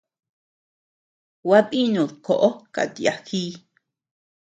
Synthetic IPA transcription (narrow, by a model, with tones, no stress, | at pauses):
wa˦ði˦nũ˨ðko˨ʔo˦ka̰˨t̪i˨a˧xiː˦